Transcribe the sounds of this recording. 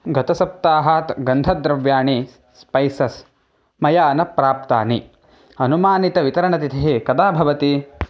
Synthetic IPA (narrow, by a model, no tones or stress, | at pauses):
ɡʱɐt̪ɐsɐp̚t̪aːɦaːt̪ɡɐnd̪ʱɐd̪ɾɐʋjaːɳi | spɐjsɐs | mɐjaːnɐpɾaːp̚t̪aːni | ɐnumaːnit̪ɐʋit̪ɐɾɐɳɐt̪it̪ʰɐɦekɐd̪aːbʱɐʋɐt̪i